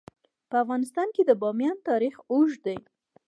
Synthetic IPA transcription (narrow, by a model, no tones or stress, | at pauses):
pəafɣɑnɪst̪ɑnked̪əbɑmjɑnt̪ɑɾixoʒd̪aj